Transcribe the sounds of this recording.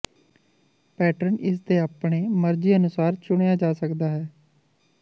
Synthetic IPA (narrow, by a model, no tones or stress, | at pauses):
pɛːʈəɾənɪs̬d̪eːaːpɳeːməɾd͡ʒiːənʊsaːɾt͡ʃʊɳ̃ejaːd͡ʒaːsəkd̪aːɦɛː